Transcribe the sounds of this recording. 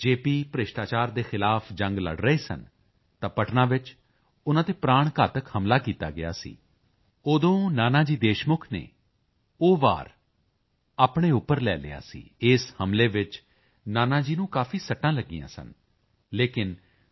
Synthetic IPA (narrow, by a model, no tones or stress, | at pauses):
d͡ʒeːpiːpɾɪʃʈaːt͡ʃaːɾd̪eːxɪlaːpʰd͡ʒə̃ŋɡlə̰ɽɾəeːsə̰n | t̪ãːpəʈnãːʋɪt͡ʃ | ʊnãːt̪eːpɾaːɳ̃kaːt̪əkhəmlaːkiːt̪a̰ːɡɪja̰ːsḭː | oːd̪õːnaːnãːd͡ʒiːd̪eːʃmʊkʰnḛː | oːʋa̰ːɾ | aːpɽeːʊpːəɾlɛ̰ːlɪ̰ja̰ːsḭːɪːshəmleːʋɪt͡ʃ | naːnãːd͡ʒiːnũːkaːfʰiːsəʈːãːləɡijã̰ːsə̰n | leːkɪn